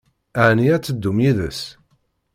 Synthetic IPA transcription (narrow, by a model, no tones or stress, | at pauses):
aʕniæt͡sːəd̪ːumjiðəs